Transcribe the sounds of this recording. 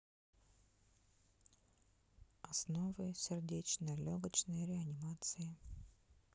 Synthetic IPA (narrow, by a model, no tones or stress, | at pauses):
ɐsnovɨjsʲɪrdʲet͡ɕnəjlʲoɡət͡ɕnəjɾʲɪɐnʲɪmat̪sɨjɪ